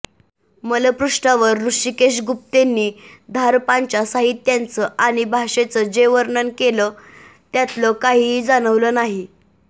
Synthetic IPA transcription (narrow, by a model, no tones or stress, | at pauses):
mələpɾuʂʈaʋəɾːuʂikeɕ̬ɡup̚t̪enːiːd̪ʱaɾpaɲt͡ɕasaɦit̪ːjant͡səʔaɽ̃ibʱaʂet͡səd͡ʑeʋəɾnənkelə | t̪jat̪ləkaɦiːd͡zañəʋləːnaɦi